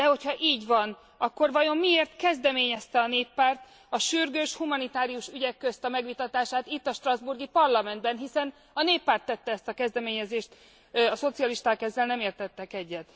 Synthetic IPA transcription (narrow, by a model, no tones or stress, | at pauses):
d̪ɛho̞chɒʔiːɟʋɒn | ɒkːo̞rvɒjo̞mmieːrt̪kɛzd̪ɛmeːɲɛst̪ɛɒneːpːaːrt̪ | ɒʃyrɡøːʃhumɒnit̪aːɾijuʃyɟɛkːøst̪ɒmɛɡʋit̪ɒt̪aːʃaːt̪it̪ːɒʃt̪rɒzburɡipɒrlɒmɛnd̪bɛnɦisɛn | ɒneːpːaːrt̪ːɛt̪ːɛɛst̪ɒkɛzd̪ɛmeːɲɛzeːʃt̪ | ɒso̞t̪siɒliʃt̪aːkɛzːɛlnɛmeːrt̪ɛt̪ːɛkɛɟːɛt̪